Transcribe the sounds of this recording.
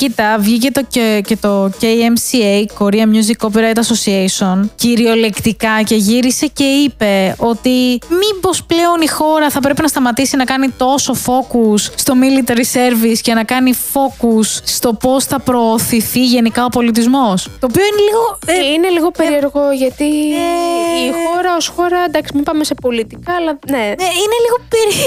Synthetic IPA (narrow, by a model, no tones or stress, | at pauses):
cit̪ɐvʝicet̪oece̞t̪o̞cejemsiejko̞ɾiɐmɲuzikop̬iɾɐjt̪ɐso̞siejsionciɾio̞le̞kt̪ikɐce̞ʝiɾise̞ce̞ipe̞o̞t̪imibo̞sple̞o̞nixo̞ɾɐθɐpɾepinɐst̪ɐmɐt̪isinɐkɐnit̪o̞so̞fo̞kusːt̪o̞milit̪eɾise̞ɾviscenɐkɐnifo̞kusːt̪o̞po̞sθɐpɾoːθiθiʝe̞nikɐo̞po̞lit̪̬izmo̞st̪oːpio̞ineliɣo̞ine̞liɣo̞peɾieɾɣo̞ʝɐt̪ieixoɾɐosxo̞ɾɐnd̪ɐksimipɐmese̞po̞lit̪ikɐːlɐneeine̞liɣo̞peɾi